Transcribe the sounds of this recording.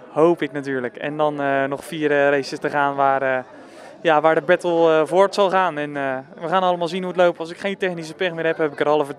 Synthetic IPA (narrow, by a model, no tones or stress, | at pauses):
howpɪknat̬yːɹləkɛ̰ndɑnənɔχfiːərərejsəstəχaːnʋaːrə | jaʋaːɹdəbɛtəlˠəvoːɹtsɑlˠχaːnɛnəʋəχaːnɑləmaːlˠzinɦuətlowp̚tɑlˠs̬ɪkχejntɛχnis̬əpɛχmɪːrɦɛpɦɛpɪkərɾɑlˠəvət